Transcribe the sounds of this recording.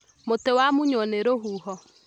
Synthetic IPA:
motewamʊɲɔneɾoɦuɦɔ

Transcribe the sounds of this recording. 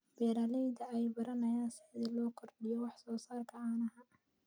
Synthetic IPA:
b̥ɛːɾaːlɛjd̪ɐɛjbɐɾɐnɐjaːnsɪʕd̪ɪlɔːkʰɔrɖɪjɔwɑħsɔːsaːrkʰɐaːnɐhɐ

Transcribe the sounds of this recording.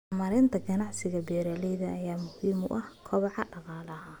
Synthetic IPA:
mɐɾɪnt̪ʰɐɡɐnɑʕsɪɣɐbɛːɾɐlɛjðɐʔːjaːmʊhiːmʊ̰ʔɐhkʰɔβɑʕɑɖɑqɑːlɐɦɐ

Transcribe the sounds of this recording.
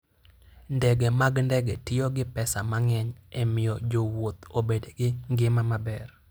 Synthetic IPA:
ndɛɡemaɡndɛɡetɪoɡɪpɛsamaŋɛɲɛmɪjɔd͡ʒowot̪obedeɡɪŋɡɪmamabɛr

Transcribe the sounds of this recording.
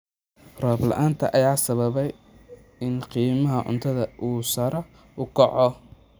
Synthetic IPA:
rɔːblɐ̰ʔaːnt̪ʰɐ̰ʔɐjaːsɐβɐβɛj | ɪnqiːmɐɦɐʕʊ̰nt̪ʰɐðɐʔuːsɐɾɔ | ʊkʰɐʕɔ

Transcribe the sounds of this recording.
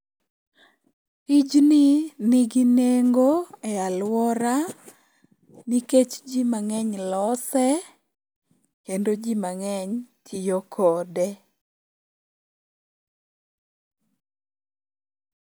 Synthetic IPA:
id͡ʒninɪɡineŋɡoɛalwɔɾa | niket͡ʃd͡ʒimaŋɛɲlɔsɛ | kendod͡ʒimaŋɛɲtʰijokʰɔdɛ

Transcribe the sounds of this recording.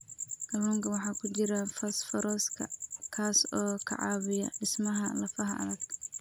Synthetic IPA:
kɐluːŋkʰɐwɑħɑːkʰʊt͡ʃɪɾɐfɐsfɐɾɔːskʰɐ̰kʰaːsɔːkʰɑ̰ʕɑːβɪjɐɖɪsmɐɦɐlɐfɐɦɐʔɐ̰ðɐɡ

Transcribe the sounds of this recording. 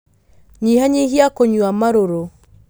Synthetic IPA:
ɲihaɲihiakoɲwamaɾoɾo

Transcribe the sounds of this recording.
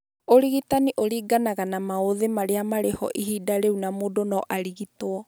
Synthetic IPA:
oɾiɣitaniʔoɾiːɡanaɣanamaoðemaɾeamaɾehɔ̰ʔihiːdaɾeunamoːdonɔʔaɾiɣitwɔ

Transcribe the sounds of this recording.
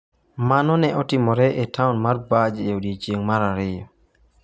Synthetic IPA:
manɔnɛɔtɪmɔɾɛʔetaunmarbad͡ʒeodiet͡ʃjeŋmaɾaɾɪjɔ

